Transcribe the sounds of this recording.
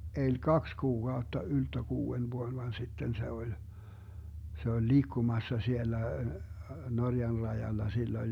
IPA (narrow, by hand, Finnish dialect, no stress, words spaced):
elʲ kɑks kuːkɑutːɑ yltːø kuːen ʋuon ʋɑn sitːen se olʲ se olʲ liːkːumɑsːɑ sielːæ norjɑn rɑjɑlːɑ silː olʲ